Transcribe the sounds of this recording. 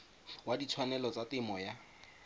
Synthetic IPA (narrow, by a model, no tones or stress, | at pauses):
wadit͡sʰwanɛlɔt͡satɪmɔja